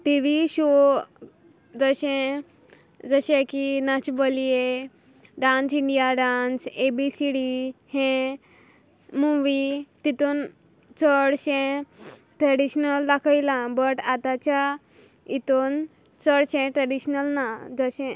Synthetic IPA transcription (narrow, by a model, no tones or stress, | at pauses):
ʈiʋiɕo | d͡zəɕɛ̃ | d͡zəɕẽkinat͡ɕbəlije | ɖãnt͡siɳɖijaɖansebisiɽihɛ̃ | mũʋit̪it̪on | t͡səɽɕɛ̃ | ʈɾaɽiɕnəld̪akʰajlãbəʈat̪at͡ɕa | it̪on | t͡səɽɕɛ̃ʈɾaɽiɕnəlnad͡zəɕɛ̃